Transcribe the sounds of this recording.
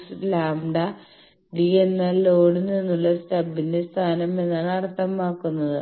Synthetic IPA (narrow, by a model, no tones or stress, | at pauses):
slaːmɖɐ | ɖienːɐloːɽɨninːuɭːɐstɐbːinde̞st̪ʰaːnɐme̞nːaːɭɐɽɐt̪ːɐmaːkːunːɐðɨ